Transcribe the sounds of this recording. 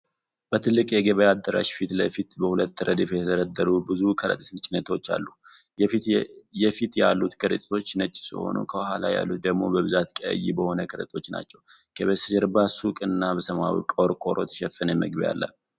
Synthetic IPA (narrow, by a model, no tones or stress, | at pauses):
b̥ət̪ʰɨlːɨkʼjɛɡəβəjad̪ːəɾa̰ʃfit̪ləfit̪bəhulət̪ːɾəd̪ifjɛt̪ʰəɾəd̪ːəɾubɨzukʰəɾə̰t̪ʼsɨnt͡ʃʼɪnət̪ʰot͡ʃːa̰lːu | jɛfit̪jalːut̪kʰəɾət̪ʼt̪ʰo̞t͡ʃːnət͡ʃʼːsɨ̰ho̞̰nṵkʰəwɦalaja̰lːut̪̚d̪əɡmo̞bəβɨzat̪kʼə̰jːibəho̞nəkʰəɾət̪ʼo̞t͡ʃːna̰t͡ʃːɛw | kʰəβəsɨʃɛɾbasukʼɨnːabəsəmawḭkʼoɾkʼo̞ɾʔo̰t̪ʰʃɛfɨnjɛmə̰ɡbija̰lːə̰